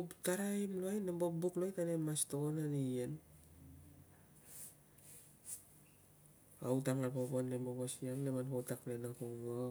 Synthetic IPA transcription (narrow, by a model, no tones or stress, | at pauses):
taɾajimloajnembobuklojtanemastokonanien | a̰wtamapoponːemoɡosiaŋnemanhotak̚plenakoŋɡo